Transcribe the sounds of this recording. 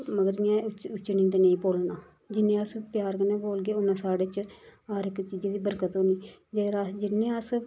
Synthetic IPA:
məɡəɾɪjãːt͡ʃʊt͡ʃːnĩːt̪enẽĩːpoːlnaː | d͡ʒɪnːẽːəspjaːɾkənẽːboːlɡeːʊnːãːsaːɽeːt͡ʃɦaɾɪkːt͡ʃiːd͡ʒeːd̪iːbəɾkət̪ɦoːniːd͡ʒeːɾad͡ʒɪnːẽːəs

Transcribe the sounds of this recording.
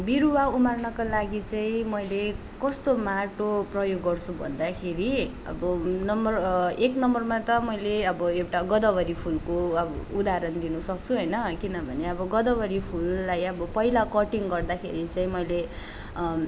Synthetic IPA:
biɾuwaumarnʌkalaɡit͡saĩmʌjle | kʌst̪omaʈoprʌjoɡːʌrt͡sʰubʱʌ̰nd̪akʰeɾi | ʌ̰bʌnʌmbʌreknʌmbʌrmat̪ʌmʌjleʌbʌewʈaɡʌd̪ʌbʌɾipʰulkoʌbʌud̪aɾʌnd̪inusʌk̚t͡sʰuɦʌjnʌkinʌbʱʌneʌbʌɡʌd̪ʌbʌɾipʰulːajʌbʌpʌilakʌʈiŋɡʌrd̪akʰḛɾit͡saĩmʌjle

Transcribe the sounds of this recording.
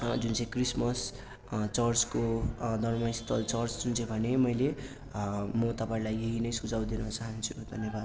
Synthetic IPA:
d͡zunt͡sʌ̃ĩkrismʌs | t͡sʌrt͡skod̪ʱʌnmʌist̪ʰʌlt͡sʌrt͡sd͡zunt͡sʰʌ̃j̃bʱʌnemʌjle | mʌt̪ʌpãĩlajeɦinʌjsud͡zaw̃d̪inʌt͡saɦʌnt͡sʰu̥d̪ʱʌnjebad̪̚

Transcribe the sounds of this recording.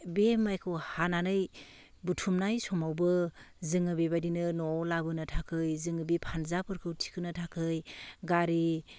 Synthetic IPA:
bemajkʰɯwhananɯj | butʰumnajsɔmawbɯ | zɯŋɯbebadinɯnɔwlabɯnɯtʰakʰɯjzɯŋɯbipʰanzapʰɯɾkʰɯwtʰi̥kʰɯnɯtʰakʰɯjɡaɾi

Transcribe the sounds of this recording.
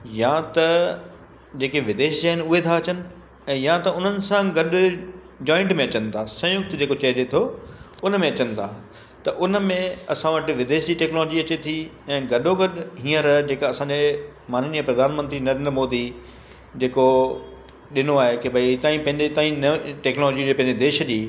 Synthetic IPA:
jat̪ɐ | d͡ʑeːkeʋɪd̪eːʃsaɦnɪ̆ʊɦet̪ʰaɐt͡ɕənɪ̆ | ɛ̃ːjãt̪ɐʊn̤ənɪ̆sãɡɐɗ | d͡ʑɔːɪ̃ɳʈmẽɐt͡ɕənɪ̆t̪ʰasɐ̃ɦjʊk̚t̪d͡ʑeːkot͡ɕɐɦd͡ʑet̪ʰoʊnəmẽɐt͡ɕənɪ̆t̪ʰaː | t̪ɐʔʊnə̆mẽɐsãʋəʈɪ̆ʋɪd̪eːʃd͡ʑiːʈɛːknɔːlɔːd͡ʑiɐt͡ɕet̪ʰiɛ̃ːɡɐɗoɡɐɗɦĩːə̃ɾɐd͡ʑeːkːɐsãːɲd͡ʑemaːnniəpɾɐd̪ʱaːnmə̃nt̪ɾinɐɾeːnd̪ɾmoːd̪i | d͡ʑeːko | ɗɪnoaːɦekebʱɐit̪ãːĩpɐ̃ɦɪ̃ɲd͡ʑet̪aːĩnʈɛːknɔloːd͡ʑiepɐ̃ɦɪ̃ɲd͡ʑed̪eːʃə̆d͡ʑiː

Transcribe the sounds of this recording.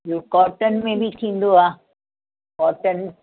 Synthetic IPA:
joːkɔːɾʈənmẽbʱit̪ʰĩːnd̪oaː | kɔːɾʈən

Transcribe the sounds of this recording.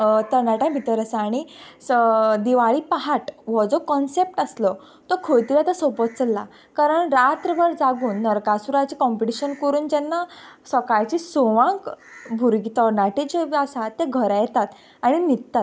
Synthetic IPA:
t̪əɾnaʈãbʱit̪əɾasaɽ̃i | d̪iʋaɭiːpaɦaʈʋɔd͡zokɔnsep̚ʈəslɔ | t̪ɔkʰojt̪iɾjat̪asəpət̪̚t͡səlːa | kaɾəɳɾat̪ɾəbʱəɾd͡zaɡuːnːəɾkasuɾat͡ɕiːkɔmpiʈiɕənkɔɾuːnd͡ʑɛnːasəkajt͡ɕiːsoʋãk | bʱuɾɡit̪əɾnaʈẽd͡ʑeʋasat̪ːeɡʱəɾajɛt̪at̪ | aɽ̃init̪t̪at

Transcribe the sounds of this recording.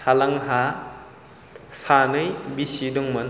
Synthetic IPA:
alaŋɦa | sanɯjbisidɔŋmɯn

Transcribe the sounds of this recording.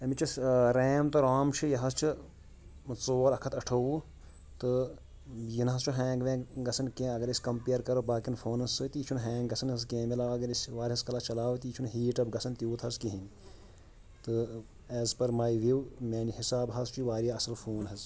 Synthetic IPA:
ɐmit͡ʃɐsɾeːmt̪ɨɾaːmt͡ʃʰijɐɦɐst͡ʃʰi | t͡soːɾɐkʰɐt̪ɐʈʰɐʋuː | t̪ɨ | jinɦɐst͡ʃʰuɦɛ̃ːŋɡʋẽːɡɐsʰɐnkẽːɐɡɐɾɐsʲkɐmpeːɾkɐɾobaːkinfʰoːnɐsɨt̪iːt͡ʃʰunɦɛ̃ːŋɡɡɐsʰɐnɐskeːmilaːʋɐɡɐɾɐsʲʋaːɾʲɦɐskɐlat͡ʃɐlaːʋt̪iːt͡ʃʰunɦiːʈɐbɡɐsʰɐnt̪ʲjuːt̪ʰɦɐskĩɦin | t̪ɨ | ɛːzpɐɾmaːjiʋiwmʲeːnihisaːbɦɐzt͡ʃiʋaːɾʲaɐsɐlfʰoːnɦɐz

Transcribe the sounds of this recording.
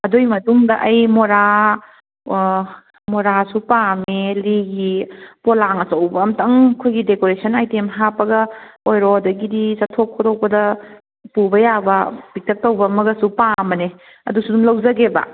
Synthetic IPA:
ɐdojmɐtuŋdɐʔɐjmoɾa | moɾasupameliɡipolaŋɐsɐwbɐːmtʰɐŋkʰojɡidekoɾesʰɐnajtemɦapːɐɡɐojɾodɐɡidisɐtʰokʰːoɾowbɐdɐ | pubɐjabɐb̥ik̚tʰɐk̚tɐwbɐmɐɡɐsupamɐne | ɐ̰dusudumlɐwzɐɡebɐ̰

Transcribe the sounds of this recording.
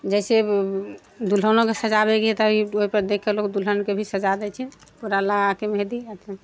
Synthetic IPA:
d͡ʒɛɪse | d̪ulɦənokesəd͡ʒabɛkit̪əbʱioɦipəɾd̪ekʰːelokd̪ulɦənkebʱisəd͡ʒad̪ɛt͡ʃʰɛpuɾalaɡakemɦed̪iət̪e

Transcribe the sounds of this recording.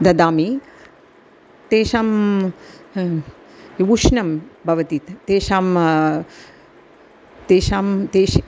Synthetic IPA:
d̪ɐd̪aːmi | t̪eːʃaːm | ʋuʂnɐmbʱɐʋɐt̪it̪ːeːʃaːm | t̪eːʃaːmt̪eːʃ

